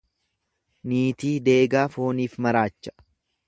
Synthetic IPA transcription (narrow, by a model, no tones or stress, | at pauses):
niːt̪iːd̪e̞ːɡaːfo̞ːniːfmɐɾaːt͡ʃːɐ̥